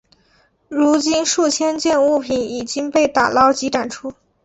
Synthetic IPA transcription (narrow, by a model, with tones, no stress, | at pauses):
ɻu˧˥t͡ɕi˥nʂu˥˩t͡ɕʰjɛ˥nt͡ɕjɛ˥˧nu˥˩pʰi˧˥ni˨˩t͡ɕi˥ŋpe˥˩ɪt̪a̰˨˩lɑ˥ʊt͡ɕi˧˥ʈ͡ʂa˨˩nʈ͡ʂʰu˥